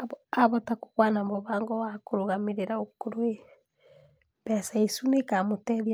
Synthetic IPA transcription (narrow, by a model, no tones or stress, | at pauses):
aβɔtako̥ɣwanambɔβaːŋɡɔwakoɾoɣameɾeɾaokoɾoe | bɛsaisunekamotɛðja